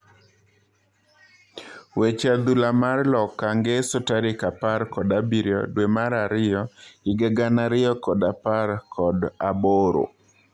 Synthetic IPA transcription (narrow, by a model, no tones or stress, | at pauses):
wet͡ʃad̪ulamarlɔkːaŋɡesotaɾɪkapaɾkɔdabiɾjɔ̰dwemaɾaɾɪjɔ̥ɪɡɛɡanaɾɪjɔkɔdapaɾkʰɔdaboɾo̰